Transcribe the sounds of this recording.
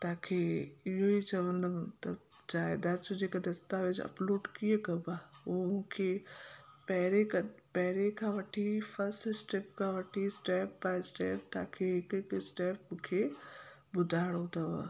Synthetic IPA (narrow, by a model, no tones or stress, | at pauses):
t̪aːkʰeɪɦoit͡ɕɐʋə̃nd̪omt̪əbd͡ʑaːɪd̪aɾt͡ʃod͡ʑeːkad̪ɐst̪aʋɪd͡ʒɐ̰ploːɖkiekɐbaːumũːkʰe | pɛɦɾekɐpɛɦɾekʰãʋɐʈʰifʰɐɾsʈɪsʈeːpkʰãːʋɐʈʰisʈeːpbaːɪsʈeːp̚t̪aːkʰeɦɪkɪkɪsʈeːpmʊ̃kʰe | bʊd̪ʱaːɽot̪ʰɐʋ̰